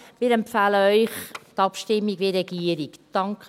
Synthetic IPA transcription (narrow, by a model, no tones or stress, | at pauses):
mɪːɾɛmpfɛːləœʏχtɑpʃtɪmːiɡʋeɾɛɡiːəɾikd̥ɑŋk